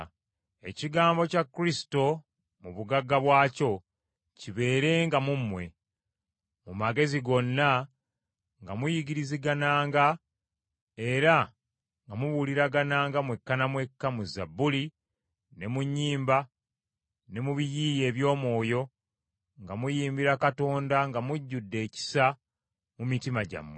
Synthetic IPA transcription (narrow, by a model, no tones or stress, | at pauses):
e̞ciɡaːmbo̞cakːuɾisi̥to̞ | muβuɡaɡːaβwaːco̞ | ciβe̞ːɾe̞ŋɡamumːwe̞̰ | mumaɡe̞ziɡo̞nːa | ŋɡamujiɡiɾiziɡanaːŋɡa | e̞ɾa | ŋɡamuβuliɾaɡanaːŋɡamwe̞kːanamwe̞kːamuzabːuli | ne̞muɲːiːmba | ne̞muβijiːje̞ːβjo̞ːmwo̞ːjo̞ | ŋɡamujiːmbiɾakato̞ːndaŋɡamuɟːudːe̞ːci̥sa | mumitimaɟa̰mwe